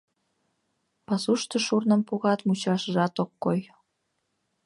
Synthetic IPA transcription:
pɑsuʃt̪ə̆ʃurnəmpoɣɑt̪mut͡ɕɑʃəʒɑt̪okːoj

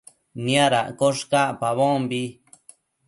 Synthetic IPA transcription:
nĩaɾa̰ʔkoʂkaʔpaβõmbi

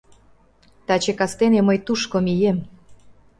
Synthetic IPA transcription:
t̪ɑt͡ɕekɑst̪enemɤjt̪uʃkomijem

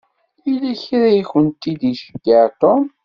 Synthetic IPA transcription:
ilæçɾajçənt̪ːid̪iʃə̥ɡːəʕt̪om

